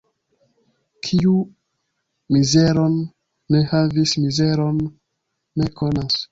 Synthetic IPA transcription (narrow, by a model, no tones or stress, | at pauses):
kʰiu | mize̞ɾo̞nː | e̞havismize̞ɾo̞nː | e̞kʰo̞nas